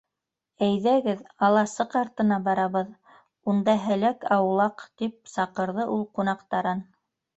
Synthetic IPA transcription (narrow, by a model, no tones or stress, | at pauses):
æjðæɡɘðɑlˠɑsɤqɑɾt̪ɤ̆nɑbɑɾɑβɤð | und̪ɑɦælækɑwlˠɑqt̪ip̚sɑqɤ̆ɾðɤʔulˠqunɑqt̪ɑɾɤn